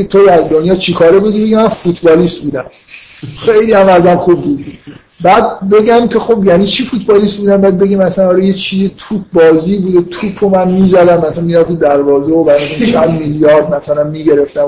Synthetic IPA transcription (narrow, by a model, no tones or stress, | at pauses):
et̪ʰo̞d̪æɾd̪onjɒːt͡ʃʰikʰɒːɾebuːd̪ibe̞ɡimænfut̪ʰbɒːliːst̪̚buːd̪æm | xejliːæmæzæmxuːbːud̪ | bæːd̪̚be̞ɡʲæmkʲʰe̞xo̞bjæniːt͡ʃʰifut̪ʰbɒːlist̪̚buːd̪æmbæːd̪̚be̞ɡiːmæsænɒːɾɒːjet͡ʃʰizet̪ʰup̚ʰbɒːziːbud̪et̪ʰuːpʰomænmiːzæd̪æmːæslænmiːɾæft̪imd̪æɾvɒːzeobæɾmt̪ʰot͡ʃʰænd̪miljɒːɾd̪̚mæsælænmiːɡe̞ɾe̞ft̪æm